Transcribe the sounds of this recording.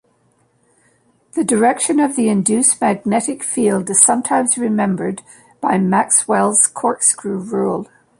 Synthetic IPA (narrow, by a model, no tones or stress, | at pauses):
ðədə˞ɛkʃə̃nəvðiɪ̃ndjʉsmæɡ̚nɛʔɪkfilˠdɨz̥sʌ̃mtʰãɪ̃mzɹɪmɛ̃mbə˞d | b̥aɪmakswɛlˠz̥kʰɔɹtskʰɹʉɹulˠ